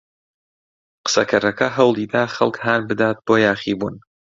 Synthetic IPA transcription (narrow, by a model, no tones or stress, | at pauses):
qɨ̥sɐkʰɐɾɐkɐɦɐwlˠiːd̪aːχɐ̰lˠkhaːnbɨd̪aːt̪̚b̥oːjaːχiːbṵːn